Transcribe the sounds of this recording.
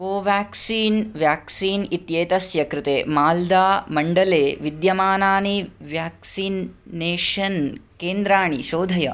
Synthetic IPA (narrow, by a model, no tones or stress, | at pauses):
koːʋjaːksiːnʋjaːksiːnit̪jeːt̪ɐsjɐkɾɪt̪eːmaːld̪aːmɐɳɖɐleːʋid̪jɐmaːnaːniʋjaːksiːnːeːʃɐnkeːnd̪ɾaːɳiʃoːd̪ʱɐjɐ